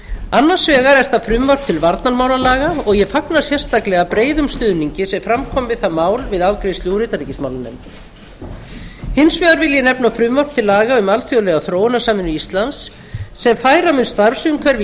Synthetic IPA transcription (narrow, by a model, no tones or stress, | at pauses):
anːḁsvɛːɣaɾɛɾ̥θafɾʏmvaɾ̥t̪ʰɪlvaɾt̪naɾmaːwlalaːɣaɔɣjɛfaknasjɛr̥st̪ʰaklɛɣapɾeːjðʏmst̪ʏðniɲcɪsɛmfɾamkʰɔmvɪðθaðmaːwlvɪðawkɾejst̪ljuwɾɪt̪aɾicɪsma̰wlanːɛ̰mt̪ | hɪnsvɛːɣaɾvɪljɪnɛpnafɾʏmvar̥t̪ʰɪlːaːɣaʏmalθjɔlɛɣaθɾoːwnasaːmɪnːʏist̪lansː | ɛmfaːjɾamɪnst̪aɾvsyʏmkʰvɛɾv